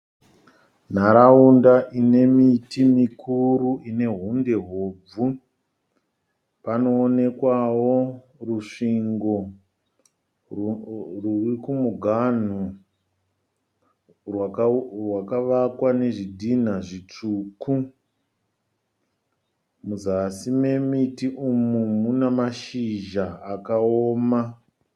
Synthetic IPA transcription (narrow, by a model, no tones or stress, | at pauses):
n̤aɾaundaʔine̞mitʰimikʰuruʔine̞ɦunde̞ɦoːb͡vu | pano̞ːne̞kwawo̞ | ruʂiŋɡo̞ | rurikumuɡʱan̤u | rwarwakaʋakwane̞ʐidʱin̤aʐit͡ʂuːku | muzasime̞mitiʔumumunamaʃiʒaːkaoːma